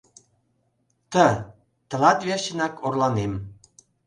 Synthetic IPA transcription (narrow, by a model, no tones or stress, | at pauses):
t̪ə | t̪ə̆lɑt̪βerɕə̆nɑkorlɑnem